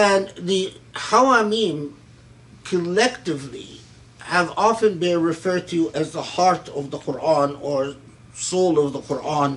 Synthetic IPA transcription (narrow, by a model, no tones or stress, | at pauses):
ɨ̃nðɨhawamĩm | kʰəlɛktɨvlḭ | hɨvɑfɨ̃nbɪ̃nɹɨfɜ˞d̚tʰɨʔɨzðəhɑɹɾʌvðəqʰʊɹʔɑ̃nə˞ | soʊlˠʌvðəqʰʊɹʔɑ̃n